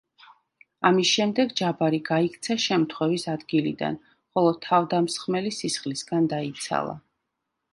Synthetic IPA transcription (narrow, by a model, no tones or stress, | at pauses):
amisʃɛmd̪ɛɡd͡ʒabaɾiɡaikʰt̪sʰaʃɛmt̪ʰχwɛvisad̪ɡilḭd̪a̰n | χɔlˠɔt̪ʰːavd̪amsχmɛlisisχlisɡand̪ait̪sʰa̰lˠa̰